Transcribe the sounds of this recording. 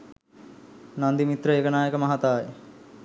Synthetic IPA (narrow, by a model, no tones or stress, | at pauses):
nand̪imit̪rəekənaːjəkəmɐɦat̪aːje